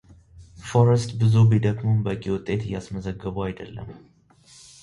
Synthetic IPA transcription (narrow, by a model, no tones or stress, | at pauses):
fo̞ɾəst̪bɨzubid̪əkʼmumbəkʼiwʊt̪ʼːe̞t̪ɨjːasməzəɡːəβuajd̪əlːə̰m